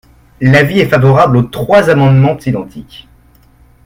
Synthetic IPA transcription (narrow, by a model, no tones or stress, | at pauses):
laviɛfavɔʁablot̪χwazamɑ̃d̪mɑ̃t̪id̪ɑ̃t̪ʰik